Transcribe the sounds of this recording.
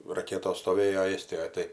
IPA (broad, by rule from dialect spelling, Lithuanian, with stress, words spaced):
rɐˈkʲæːtoːs stoːˈʋʲeːjoː ˈeːsʲtʲɪjoːj ˈtɐɪ